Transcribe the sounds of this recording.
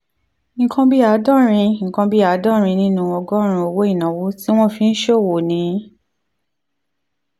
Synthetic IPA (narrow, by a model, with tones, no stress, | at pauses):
ŋ̩˨kã˧bi˦a˨˦dɔ̃˦ɾ̃ĩ˧ŋ̩˨kã˧bi˦a˨˦dɔ̃˦˨ɾ̃ĩ˧nĩ˦nũ˦ɔ˧ɡɔ˦ɾ̃ũ˧˦o˧wo˦i˦˨nã˨wo˨˦ti˦w̃ɔ̃˦fĩ˨˧n̩˦ʃo˦˨wo˨nĩ˨˦